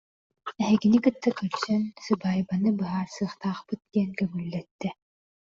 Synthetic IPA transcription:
ɛɦɛɡinikɯt̪ːakœɾsœnsɯbaːjbanɯbɯɦaːɾsɯːχt̪aːχpɯt̪̚d̪iɛnkœmylːɛt̪ːɛ

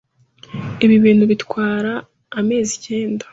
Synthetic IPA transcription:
eβiβiːnduβitwaːɾaː | me̞ːzice̞ːnda

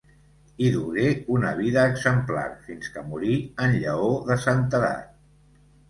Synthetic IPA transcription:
iðuɣeunəβ̞iðəːɡzəmpla̰rfinskəmuɾiənʎəoðəsant̪əða̰t̪

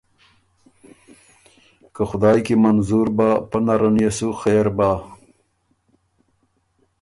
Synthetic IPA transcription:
kaxʊd̪ɑːjkimɐnzuɾbapɐnaɾɐnjesuxeːɾbaː

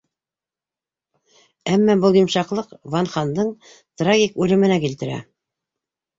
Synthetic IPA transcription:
æmːæbɤlˠjŏmʃɑqlˠɤqvɑnχɑnd̪ɤɴ | t̪raɡʲikʉlɘ̆mɘ̆nækilt̪ɘ̆ɾæ̰

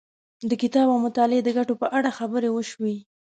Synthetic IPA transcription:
d̪əkɪt̪ɑbawmʊt̪ɑled̪əɡaʈopəʔaɽaxabəɾewəʃwi

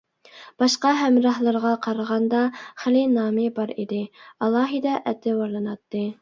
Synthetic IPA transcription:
b̥ɑʃqɑɦæmɾɑhlˠɨɾʁɑqʰɑɾəʁɑnd̪ɑχɪlɪnɑːmɪbɑɾḭd̪ɪɑlˠːɑːɦid̪ɑʔɛt̪ʰːɪwɑɾlˠɨnɑt̪ːɨ

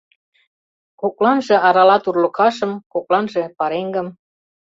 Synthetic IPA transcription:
koklɑnʒĕɑɾɑlɑt̪urlə̆kɑʃɤ̆mkoklɑnʒĕpɑɾeŋɡɤ̆m

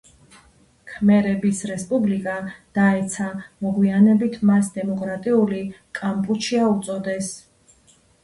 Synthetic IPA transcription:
kʰmɛɾɛbisɾɛspʼublikʼad̪̥aɛt̪sʰamɔɡwianɛbit̪ʰmasd̪ɛmɔkʼɾat̪ʼiulikʼampʼut͡ʃʰiaut̪sʼɔd̪ɛs

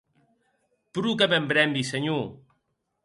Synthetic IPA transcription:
pɾukəβɛmbɾɛmbisəɲo

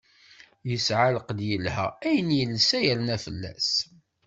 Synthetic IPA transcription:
jəsʕaləqd̪jəlhæ̰æjənjəlsæjəɾnæfəlːæ̰s

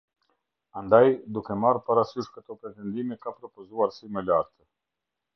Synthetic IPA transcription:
and̪ajd̪ukemaɾpaɾasuʃkət̪opɾet̪end̪imekapɾopozuaɾsimeleaɾt̪ə

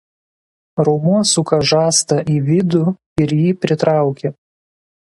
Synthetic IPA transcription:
ɾɔʊmuɔsʊkɐʒɑːst̪ɐʔiːʋʲɪd̪ʊ | ɪɾjiːpʲɾʲɪt̪ɾɑˑʊkʲe

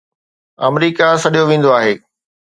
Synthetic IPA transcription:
ɐmɾiːkasɐɗijoʋẽːn̆d̪oaːɦeː

